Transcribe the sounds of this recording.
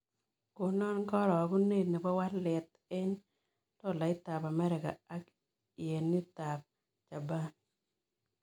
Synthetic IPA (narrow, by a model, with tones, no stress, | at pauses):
ko˨nɔ˦nkɔ˦ɾɔ˨ku˦ne˦t̪na˨pɔ˦wa˦tlɛ˨t̪̚ | ɛ˦n | tɔ˦˨la˨ɪ˦ta˨pa˨mɛ˦ɾɪ˨ka̰˨a˦k | i˨e˨nːi˦ta˨p̚ | t͡ʃa˨ba˦n